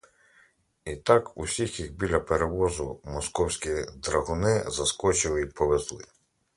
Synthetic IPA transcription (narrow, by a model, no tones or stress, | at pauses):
it̪ɑkṵsʲixjixbʲilʲːɐpeɾeʋɔzʊmɔskɔwsʲkʲid̪ɾɐɦʊnɪzɐskɔt͡ʃɪlˠɪipɔʋezlˠɪ̰